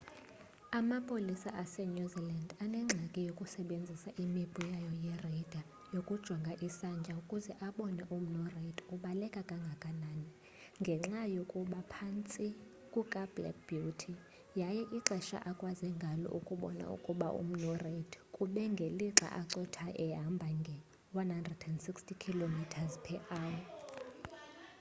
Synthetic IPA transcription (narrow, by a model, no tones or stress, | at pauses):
amapʼolisaʔasɛnuzilandanɛŋ͡ǁʱakʼɛjokʼusɛɓend͡zʱisaʔimib̥ʱujajɔjɛrɛd̥ʱa | jokʼud̥ʒ̥ʱɔŋɡʱaʔisand͡ʒʼʱaukʼuzɛʔaɓɔnɛʔum̩nɔredʰʼuɓalɛkʼakʼaŋɡʱakʼanaːni | ŋɡʱɛŋ͡ǁajokʼuɓapʰant͡sʼi | kʼukʼab̥lɛ̰k̚b̥jutʰi | jajɛʔiǁɛʃa̰ʔakʼwazɛŋɡʱalɔ̰ʔukʼuɓɔ̰na̰ṵkʼuɓaʔṵm̩nɔred̥ʰʱkʼuɓɛŋɡʱeliǁa̰ʔaǁɔtʰaʔɛɦambʱaŋɡʱɛ | wanhandrɛdɛndsikstʰʼikʰilomitʰazpʰɛʔaːwɔ